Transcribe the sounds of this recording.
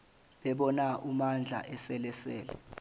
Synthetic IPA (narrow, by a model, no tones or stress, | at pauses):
ɓɛɓɔnaʔumand͡ɮʱa̰ʔɛsɛlɛsɛ̰ːlɛ̰